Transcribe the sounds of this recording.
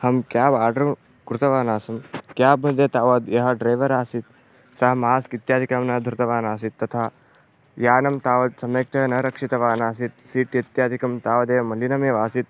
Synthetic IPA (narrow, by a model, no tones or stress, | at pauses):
hɐmkjaːbaːɾɖɐɾɐm | kɾut̪ɐʋaːnaːsɐmkjaːbɐd̪jɐt̪aːʋɐd̪jɐɦɐɖɾɐjʋɐɾaːsit̪̚ | sɐɦɐmaːskit̪jaːd̪ʱikaːmnɐd̪ʱɾut̪ɐʋaːnaːsit̪ːɐt̪ʰaː | jaːnɐmt̪aːʋɐd̪sɐmek̚t̪ʰɐnɐɾɐkʂit̪ɐʋaːnaːsit̪̚siːʈjɐt̪jaːd̪ʱikɐmt̪aːʋɐd̪eːɐmɐlinɐmeːʋaːsit̪̚